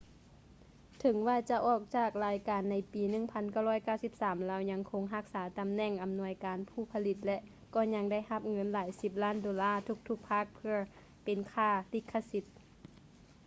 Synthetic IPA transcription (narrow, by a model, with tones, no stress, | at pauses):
t̪ʰɤ˨˩˦ŋwaː˧˩t͡ɕa˧ʔɔː˧˩k̚t͡ɕaː˧˩k̚laː˨˦jkaː˨˦nːa˧˥jpiː˨˦nɯ˧˩˨ŋpʰa˧˥nka˧˩wlɔː˧˥˩jkaː˧˥˩wsi˧˥p̚saː˩˦mlaː˧˩wɲa˧ŋkʰo˧˦ŋɦa˧˥k̚saː˩˦t̪a˨˦mnɛ˧˥˨ŋʔa˨mnu˧˥əjkaː˨˦npʰuː˧˩pʰa˧li˧t̪̚lɛ˧ʔ | kɔː˧˩ɲa˧˥ŋda˥˩jha˧˥p̚ŋɤ˧˥˨nlaː˨˩˦jsi˧p̚laː˥˩˨ndoː˨˦laː˧˥˨t̪ʰu˧˥k̚t̪ʰu˧˥k̚pʰa˧˥˩k̚pʰɯ˧ɐ | pe˨nkʰaː˧˩li˧˩kʰːa˧si˧t̪̚